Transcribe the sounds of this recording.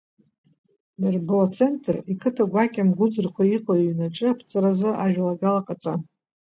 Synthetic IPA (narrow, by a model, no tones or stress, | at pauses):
marbɨat͡sʰe̞ntʰʼrikʰɨtʰaɡʷakʲʼamɡʷʊd͡zɨrkʷʰaiqʼaɥnaʈ͡ʂʼɨapʰt͡sʼaɾazɨʔaʒᶣlaɡalaqʼat͡sʼa